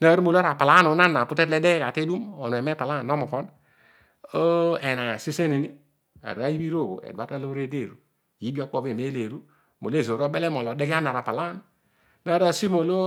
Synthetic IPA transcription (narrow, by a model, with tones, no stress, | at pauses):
na˦ɾu˦mo˨lɾa˨pa˨la˦no˨˦na˦na˨pu˦te˦tle˦de˦ka˨te˦du˦mo˨nu˨e˨me˦pa˨la˦˨no˦mo˨fɔ˦n | o˦e˨na˨si˦se˦ne˨ni˦ | a̰˨ɾa˦ji˦bi˦ɾo˦˨ɡo̰˨ḛ˨da˦ta˦lo˦ɾe˦de˦˨ɾu˨ | ji˦bi˦o˦k͡po˦be˨me˦le˨ɾu˦ | mo˨˦e˦˨zo˨ɾo˦be˦le˦m˨o˨lo˨de˦ɡi˦a˦n˨a˨ɾa˨pa˨la˦n˨ | na˦ɾa˨si˦mo˨lo˦